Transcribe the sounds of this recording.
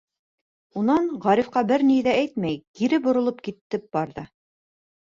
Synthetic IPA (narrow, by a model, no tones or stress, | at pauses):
unɑɴʁɑɾifqɑbɘɾniðææjt̪̚mæjkiɾɘbŏɾŏlˠɤp̚kit̪ːɘp̚bɑɾðɤ